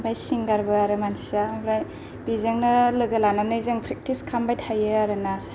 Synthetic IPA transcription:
bajsiŋɡaɾbɯaɾɯmansi̥sabɾaj | b̥izɯŋnɯlɯɡɐlananɯjzɯŋpʰɾek̚tiskʰambajtʰajɯaɾɯnas

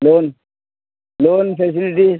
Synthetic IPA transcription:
lon | lonfes̬iliʈi

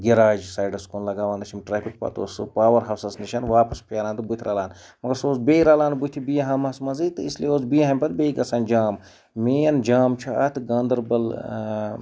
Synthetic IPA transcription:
ɡiɾaːd͡ʒsaːɖɐskoːnlɐɡaːʋaːnd̪ɐt͡ʃʰimʈɾaːpʰik̚pɐ̰t̪o̰ːspaːʋɐɾɦɐwsɐsniʃɐnʋaːpɐspʰʲeːɾaːnt̪ubut̪ʰiɾʔaːlaːn | mɐɡɐɾsoːsbeːiɾaːlaːnbut̪ʰibijɐɦɐmɐsmɐzit̪ɨislieoːsbijɐɦɐmʲpɐt̪̚bʲeiɡɐsaːnd͡ʒaːm | meːɐnd͡ʒaːmt͡ʃʰuɐ̰t̪ʰɡɐ̃ːnd̪ɐɾbɐl

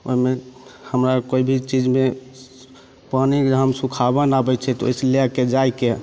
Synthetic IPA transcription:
o̰imehəmɾakoibʱit͡ʃid͡ʒme | panid͡ʒɦəmsũkʰabənabɛt͡ʃʰɛt̪o̰jseleked͡ʒajke

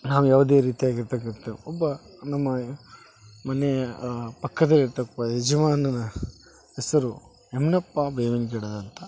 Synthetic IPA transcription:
naːʋujaːʋɐd̪eːɾiːt̪iaːɡiɾt̪ɐɡɐt̪ːeʋɔbːɐnɐmːɐ | mɐneɐpɐkːɐd̪ɐlːiɾt̪ɐkpɐːɦed͡ʒɐmaːnɐnɐ | ɦɛsɐɾu | emnɐpːabeːʋɐnɡ̬eɽɐd̪ɐnt̪ʰɐ

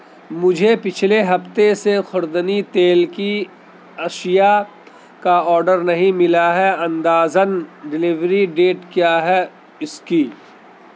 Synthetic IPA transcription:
mʊd͡ʒʱepɪt͡ʃʰleɦɐft̪esexʰʊɾd̪ənit̪eːlki | ɐʃija | kaɔːɾɖəɾnɐɦĩmɪlaɦɛɐ̃nd̪aːzənɖɪlɪʋɾiɖeːʈkjaːɦɛ | ɪskiː

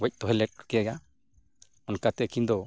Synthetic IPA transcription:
wɛc̚ˀt̪ɔɦɛlɛʈ̚kɛjɛɡa | ɔnkat̪ɛʔkind̪ɔ

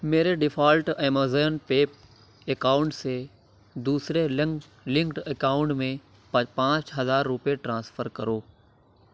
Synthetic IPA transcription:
meːɾeɖɪfʰaːlʈẽːmozejənpeːp̚ | ekaːʊ̃ɳʈse | d̪uːsɾe | lɪ̃ŋkʈekaːʊ̃ɳʈmẽ | pɐpãːt͡ʃɦɐzaːɾːʊpjeʈɾãːsfəɾkɐɾoː

